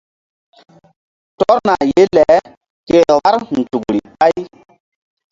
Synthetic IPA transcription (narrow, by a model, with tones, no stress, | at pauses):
tɔ˦ɾna˨je˦lɛ˨˦ | ke˦ɾa˦ɾn̩˨tu˨kɾi˨ɓa˦j